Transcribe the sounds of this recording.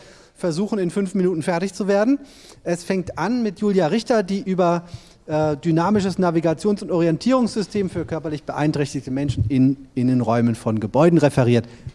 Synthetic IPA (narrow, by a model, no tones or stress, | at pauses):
fɛɐzuːxn̩ɪnfʏnfminuːtn̩fɛɐtɪçt͡suveːɐdn̩ | ʔɛsfɛŋk̚tʔanmɪtjuːljaʁɪçtɐdiːʔyːbɐ | ʔɛdynaːmɪʃəsnaviɡat͡sjoːnsʊntʔɔʁ̞iɛntʰiːʁ̞ʊŋsz̥ʏstʰeːmfyːɐkʰœɐpɐlɪçb̥əʔa̰ɪntʁ̥ɛçtɪçtəmɛnʃn̩ɪnɪnənʁɔʏmənfɔnɡəbɔʏdn̩ʁefɛʁ̞iːɐt